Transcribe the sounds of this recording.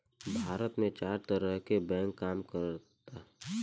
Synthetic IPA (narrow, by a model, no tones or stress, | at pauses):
bʱaːɾət̪mẽt͡ʃaːɾt̪əɾəɦkebɛ̃ːŋkːaːmkəɾ | t̪aː